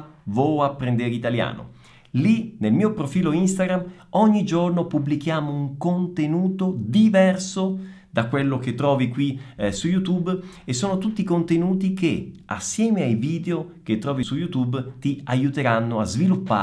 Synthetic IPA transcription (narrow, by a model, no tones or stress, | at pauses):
vɔapːɾend̪eɾit̪alja̰ːno̰ | linelmiːopɾofiːloinst̪aɡɾam | ɔɲːid͡ʒornopubːlik̟jaːmouŋkont̪enuːt̪od̪ivɛrso | d̪̥akːwelːok̟et̪ːɾɔːvikwisujut̪ub | esːoːnot̪ut̪ːikont̪enuːt̪ik̟ea̰sːjɛːmeajviːd̪eok̟et̪ːɾɔːvisujut̪ubt̪iajut̪eɾanːoazvilupːa̰ː